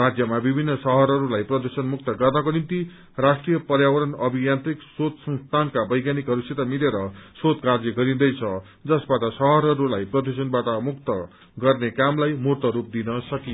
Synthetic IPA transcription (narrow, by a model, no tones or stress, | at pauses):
rad͡zjʌmabibʱinːʌsʌɦʌɾɦʌɾulajprʌd̪usʌnmuk̚t̪ʌɡʌrnʌkonint̪i | rasʈrijʌpʌrjawʌɾʌnʌbʱijant̪riksot̪sʌnst̪ʰankabʌjɡjanikɦʌɾuset̪amileɾʌsot̪kard͡ziɡʌɾĩd̪ʌjt͡sʰʌ | d͡zʌsbaʈʌsʌɦʌɾɦʌɾulajprʌd̪usʌnbaʈʌmukt̪ʌ | ɡʌrnekamlajmurt̪ʌɾup̚d̪inʌsʌki